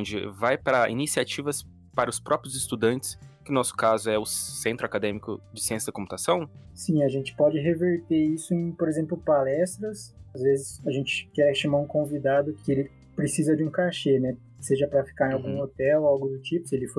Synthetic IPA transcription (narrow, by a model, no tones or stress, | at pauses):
õd͡ʒɪvajpɾɐḭnisiat͡ʃivɐs | paɾɐʊspɾɔpɾjʊzɪst̪ud̪ɐ̃nt͡ʃɪ̥skɪnɔsʊ̥kazʊɛʊsẽnt̪ɾʊakad̪ẽmikʊ̰d͡ʒɪsiẽsjɐd̪ɪkõput̪asɐ̃w̃sĩɐʒẽnt͡ʃɪ̥pɔd͡ʒɪɦeveɾt̪eisʊẽj̃poɾezẽmplʊpalɛst̪ɾɐsazvezɪsaʒẽnt͡ʃɪ̥kɛʃamaɾũkõvid̪ad̪ʊkɪelɪ | pɾesizɐd͡ʒɪũkaʃenɛ | seʒɐpɾɐfi̥kaɾẽawɡũot̪ɛwawɡʊd̪ʊt͡ʃipʊ̥sɪelɪfo